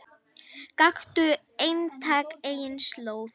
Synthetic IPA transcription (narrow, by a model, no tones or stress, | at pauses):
kaxt̪ʏ | ejnt̪ʰaːkejɪnsloːw